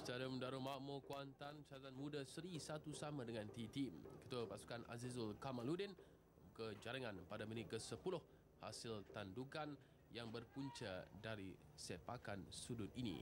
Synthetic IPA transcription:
t͡ʃaləmdaɾomaʔmokuant̪ansaat̪anmudəsəɾisat̪usamadəŋant̪it̪imkə̥t̪uapasu̥kanʔa̰zizʊlkamaludin | mukəd͡ʒaɾəŋãnpadaminɪt̪̚kəsəpulʊh | ha̰sɪlt̪andukan | jaŋbərpuɲt͡ʃə̰daɾi | sepakansudʊt̪̚inḭ

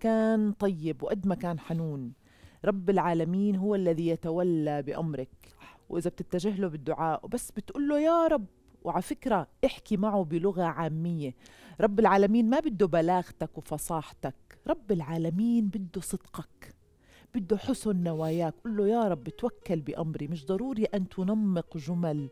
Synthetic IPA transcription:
kaːnt̪ˤɑjːɪbwʔad̪ːmakaːnħanuːn | ɾˤɑbːɪlʕaːlamiːnɦʊwːalːaðijat̪awalːabɪʔamɾˤɑkwʔɪzab̚t̪ɪt̪ːaʒɪɦlubɪd̪ːʊʕaːʔbasːbɪt̪ʔuːlːojaːɾˤɑbː | wʔʕalfɪkɾaʔɪħkimaʕubɪlʊɣaʕaːmːɪjːeɾˤɑbːɪlʕaːlamiːnmabɪd̪ːubalaːɣt̪akwfɑsˤɑːħt̪akɾˤɑbːɪlʕaːlamiːnbɪd̪ːusˤɨd̪̥qɑk | b̥ɪd̪ːuħʊsʊnːawaːjaːkʔʊlːojaːɾˤɑbːɪt̪wakːalbɪʔa̰mɾimɪʃd̪ˤɑɾˤuːɾiʔant̪ʊnɑmːɪqʒʊmal

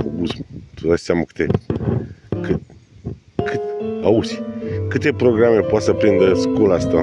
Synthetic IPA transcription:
obusmt̪ud̪aseamakɨ̥t̪e | kɨ | kɨt̪ausʲikɨt̪e̞pɾo̞ɡɾame̞poat̪səpɾind̪əskolast̪a

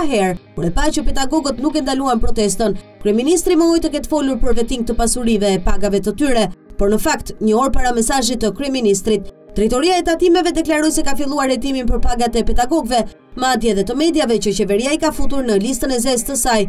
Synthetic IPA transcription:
ɦɛɾkuɾɛpat͡ʃəpɛd̪aɡɔɡət̪nukɛnd̪aluanpɾɔt̪ɛst̪ənkɾyɛminist̪ɾiməɔjt̪əkɛt̪fɔluɾpəɾvɛt̪iŋɡ̚t̪əpasuɾivɛːpaɡavɛt̪ət̪yɾɛpɔɾnəfakt̪ɲəɔɾpaɾamɛsaʒit̪əkɾyɛminist̪ɾit̪ː | ɾɛt̪ɔɾiaɛt̪at̪imɛvɛd̪ɛklaɾɔjsɛkafilˠuaɾhɛt̪iminpəɾpaɡat̪ɛpɛd̪aɡɔɡvɛ | mad̪jəɛðɛt̪əmɛd̪javɛt͡ʃət͡ɕɛvɛɾiaikafut̪uɾnəlis̬t̪ənɛzɛst̪əsaj

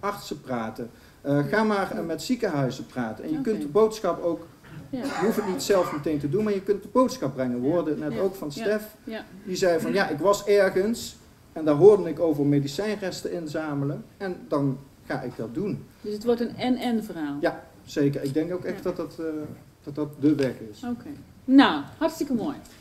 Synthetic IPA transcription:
ɑɹtsəpraːtə | əχaːmaːɹmɛtsikəɦœɥzəpraːtənɛ̰njəkɵntdəbowtsxɑpowk | ɦufətnitsɛlˠfmətejntədunmaːɹjəkɵntdəbowtsxɑb̚brɛŋənʋɦʊːɹdəətnɛtowkfɑnstɛfdizɛjvɑnjaʔɪkʋɑsɛɹɣəns | ɛndaːɹɦʊːɹdənɪkowvəɹmejdisɛjnrɛstəɪnzaːmələnɛndɑn | χaːʔɪɡ̚dɑt̚dun | dsətʋɔɹtənɛnɛnvəraːlˠja | z̥ejkəɹɪɡ̚dɛŋkowkɛxtdɑtɑtː | d̥ɑt̚dɑt̚dəʋɛkɪsoke | nawhɑɹtstɪkəmoːj

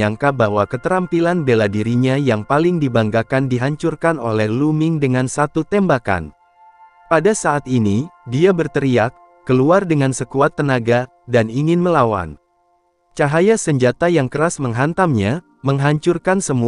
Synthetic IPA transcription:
aŋkabaɦwakət̪əɾampilanbelahdiɾiɲajaŋpalɪŋdibaŋɡakandiɦaɲt͡ʃurkano̰lɛhlumɪŋdəŋansat̪ut̪ɛmbaka̰n | padasaʔːt̪̚inidiabərt̪əɾiakː | əluardəŋansəkuat̪ːənaɡa | daniŋɪnməlawa̰n | t͡ʃaɦajasəɲd͡ʒat̪ajaŋkəɾasməŋɦant̪amɲa | məŋɦaɲt͡ʃurkansəmu

